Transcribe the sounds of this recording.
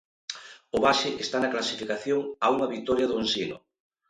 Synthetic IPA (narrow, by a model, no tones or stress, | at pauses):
ʊβaʃeʔest̪anɐklasifikaθjoŋauŋɐβit̪ɔɾjɐðʊensinʊ̰